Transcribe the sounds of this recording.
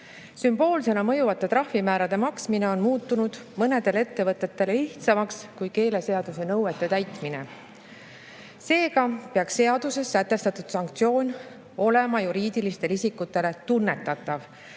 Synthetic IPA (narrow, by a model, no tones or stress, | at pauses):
symb̥o̞ːlse̞nɑmɤ̞juvɑt̪ːˑe̞t̪ɾɑhvimæːɾɑd̪̥e̞mɑksmine̞o̞nmuːt̪ːˑunud̪̥mɤne̞d̪̥e̞le̞t̪ːe̞vɤt̪ˑːe̞t̪ːe̞leiht̪sɑmɑkskujke̞ːle̞se̞ɑd̪̥use̞nɤwe̞t̪ːˑe̞t̪æjt̪mine̞̰ | se̞ːɡɑpeɑksːe̞ɑd̪̥use̞sːæt̪ːˑe̞st̪ɑt̪ːud̪̥sɑŋk̚t̪sio̞ːnʲ | o̞le̞mɑjuɾiːd̪̥ilist̪e̞lisikːut̪ːˑe̞le̞t̪unːe̞t̪ːˑɑt̪ːˑɑv